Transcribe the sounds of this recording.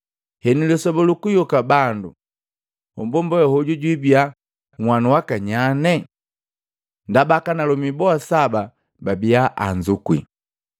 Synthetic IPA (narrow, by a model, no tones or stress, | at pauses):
hɛnilɛsɔbɔlukujɔkabandu | hɔ̰mbɔmbɔjɔhɔɟuɟwibia | ŋwanuwakaɲanɛ | ndabakanalɔmibɔasaba | babiaʔand͡ʒukwḭ